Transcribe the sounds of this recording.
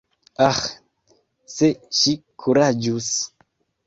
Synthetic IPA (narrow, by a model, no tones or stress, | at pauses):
ax | seʃikʰuɾad͡ʒus